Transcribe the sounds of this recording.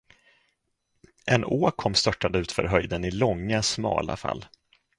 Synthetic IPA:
ʔɛnoːkʰɔmːst̪œʈːad̪əʉ̟ːt̪fœ̰ɾɦœjd̪ənɪlɔŋːasmɑ̰ːla̰fa̰lː

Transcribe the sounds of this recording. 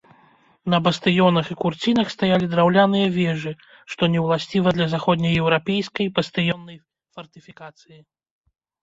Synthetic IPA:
nɐbɐst̪ɨjɔnɐxikurt͡sʲinɐxst̪ajalʲid̪ɾawlʲanɨjɐvʲɛʐɨ | ʂt̪ɔnʲɛwlˠasʲt͡sʲivɐd̪lʲɐzaxɔd̪ʲnʲɐjɛwɾapʲɛjskɐjbɐst̪ɨjɔnːɐj | fɐrt̪ɨfʲikat̪sɨji

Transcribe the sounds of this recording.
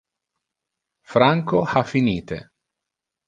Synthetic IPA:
fɾaŋkoafːiniːt̪ḛ

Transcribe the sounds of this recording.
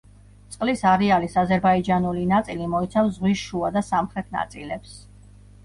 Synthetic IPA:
t̪sʼqʼlisaɾɛalisazɛɾbaid͡ʒanulinat̪sʼilimɔit̪sʰamszʁwisʃuad̪asamχɾɛt̪ʰna̰t̪sʼilɛps

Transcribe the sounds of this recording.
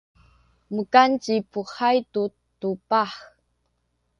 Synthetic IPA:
məkant͡ɕipuxajtu | tupaħ

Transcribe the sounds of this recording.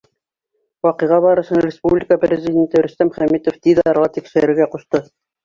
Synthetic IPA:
wɑqɤ̆jʁɑβɑɾɤ̆ʃɤɴrʲɪspublʲɪkəprʲɪzʲidʲent̪ɘɵɾɵ̆st̪æmχæmit̪oft̪id̪ɑɾʁɑt̪ikʃɘ̆ɾɘ̆ɾɡæquʃt̪ɤ

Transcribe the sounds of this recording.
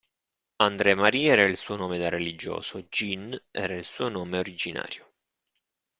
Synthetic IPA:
and̪ɾɛmaɾiːɛːɾailsuːonoːmed̪arelid͡ʒo̰ːsod͡ʒinɛ̰ːɾailsuːonoːmeoɾid͡ʒina̰ːɾjo

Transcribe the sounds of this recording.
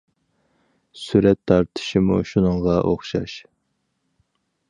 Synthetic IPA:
syɾɛt̪ʰːɑɾt̪ʰɨ̥ʃimuʃunɨŋʁɑʔoχʃɑ̰ʃ

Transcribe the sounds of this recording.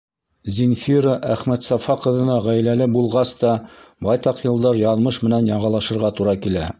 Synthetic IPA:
zʲinfʲiɾəʔæχmæt̪sɑfɑqɤ̆ðɤ̆nɑʁæjlælɘbulˠʁɑst̪ɑbɑjt̪ɑqjɤ̆lˠd̪ɑɾjɑnˠmɤʃmɘ̆nænjɑɴɑlˠɑʃɤ̆ɾʁɑt̪uɾɑkilæ

